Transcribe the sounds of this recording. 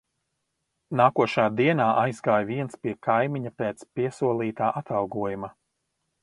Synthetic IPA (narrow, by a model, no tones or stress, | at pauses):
naːkuɔʃaːd̪iɛnaːʔajzɡaːjviɛnspiɛkʰajmiɲapeːt̪spiɛsuɔlˠiːt̪aːʔat̪alˠɡuɔjuma